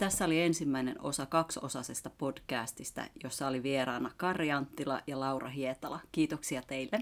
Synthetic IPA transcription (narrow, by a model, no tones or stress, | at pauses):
t̪æsːæoliensimːæineno̞̰sɑkɑkso̞sɑsest̪ɑpo̞d̥kæːst̪ist̪æ̰jo̞sːɑoliʋierɑːnːɑkɑrjɑnt̪ːilɑ̰jɑlɑurɑ̰ɦiet̪ɑlɑkiːt̪oksiɑt̪eilːen